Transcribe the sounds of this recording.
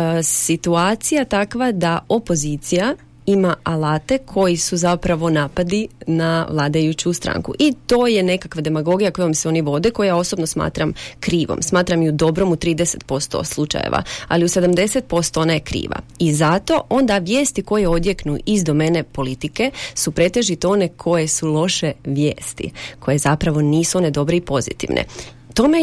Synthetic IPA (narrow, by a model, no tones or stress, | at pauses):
sit̪uaːt̪sijat̪akʋad̪ao̞po̞zit̪sija | imaalaːt̪e̞kʰo̞jisuzapɾaʋo̞naːpad̪inaʋlˠaːd̪ajut͡ɕust̪ɾa̰ŋkṵʔit̪o̞ːje̞ne̞kakʋad̪e̞maɡo̞ɡijako̞jomseo̞ːniʋo̞d̪e̞ko̞jao̞so̞bnosma̰ːt̪ɾamkɾiːʋo̰msmaːt̪ɾamjud̪o̞bɾo̞mut̪ɾiːd̪ese̞t̪̚po̞st̪o̞̰slˠut͡ʃa̰jḛʋa̰a̰liuse̞d̪amd̪e̞set̪̚po̞st̪oonajekɾḭːʋa̰izat̪o̞ʔo̞nd̪aʋje̞ːst̪iko̞jeo̞d̪je̞knuʔizd̪o̞me̞ne̞po̞lit̪ike̞supɾe̞t̪e̞ʒit̪eo̞ne̞kʰo̞jesulˠo̞ʃe̞ʋjeːst̪ḭkʰo̞je̞zapɾaʋo̞niːsuo̞ne̞d̪o̞bɾeipo̞zḭt̪ḭʋnʔḛ | t̪o̞me